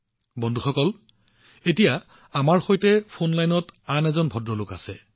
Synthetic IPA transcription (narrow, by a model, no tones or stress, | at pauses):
bɔndʱuxɔkɔl | etija | amaɹxojtɛpʰonlajnɔtanɛzɔnbʱɔdɹɔlʊkasɛ